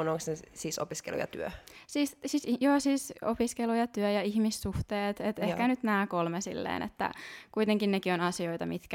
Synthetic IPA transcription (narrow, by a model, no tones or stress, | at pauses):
unoŋksnesiːso̰piskḛlṵjɑ̰t̪y̰øsiːssiːsjoːsiːsopiskelujɑt̪yøjɑihmisːuht̪eːt̪et̪ehkænyt̪næːkolmesḭlːḛːnʔḛt̪ːæ̰kuit̪eŋkinnekionɑsioit̪ɑmit̪kæ